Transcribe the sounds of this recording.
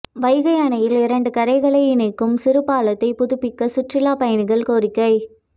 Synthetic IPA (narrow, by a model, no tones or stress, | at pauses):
ʋɐɪɣɐjaːnɐjɪlɪɾɐɳɖɯkɐɾɐɪɣɐɭɐɪɪnɐɪkːɯmsɪɾɯpːaːɭɐt̪ːɐɪpʊðɯpːɪkːɐsʊʈrɪlaːpɐjɐnɯɣɐɭkoːɾɪkːɐɪ